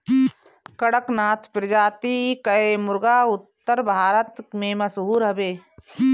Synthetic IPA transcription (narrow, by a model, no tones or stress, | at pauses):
kɐɽəknaːt̪ʰpɾɐd͡ʒaːt̪ikəemʊɾɡaːʊt̪ːəɾbʱaːɾət̪mẽmɐsɦuːɾɦɐbeː